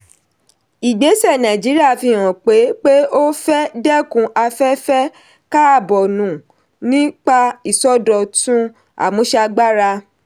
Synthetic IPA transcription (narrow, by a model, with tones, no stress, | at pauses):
i˨ɡ͡be˨˦sɛ˦˨nã˨d͡ʒi˨˦ɾi˦a˦˨fi˧˨w̃ɔ̃˨k͡pe˨˦k͡pe˦o˦fɛ˦dɛ˦kũ˧ʔa˧fɛ˦fɛ˦ | ka˦a˦˨bɔ˨nũ˨ | nĩ˦k͡pa˦i˦˨sɔ˦dɔ˧˨tũ˦ | a̰˨mũ˨˦ʃa˧ɡ͡ba˦ɾa˧